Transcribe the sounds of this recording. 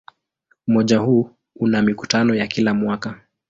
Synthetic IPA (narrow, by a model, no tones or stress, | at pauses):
umɔʄahuː | unamiku̥tanɔjakilamwaka